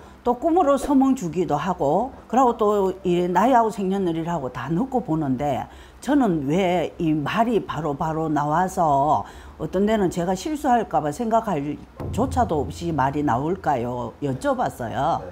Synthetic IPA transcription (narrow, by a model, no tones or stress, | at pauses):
t͈ok͈umɯɾosʰʌmɯŋt͡ɕuɡidoɦaɡokɯɾɦaɡot͈oiɾenaiaɡosʰeŋɲʌndɯɾiɾaɡotanɯk͈oponɯnde̞̰ | t͡ɕʌnɯnweimaɾipaɾopaɾonawasʰʌ | ʌt͈ʌnde̞nɯnt͡ɕe̞ɡaɕʰiɭs͈uɦaɭk͈abasʰeŋɡakʰaɭt͡ɕot͡ɕʰadoʌp̚ɕ͈imaɾina̰uɭk͈ajojʌt͡ɕ͈ʌbas͈ʌ̰jo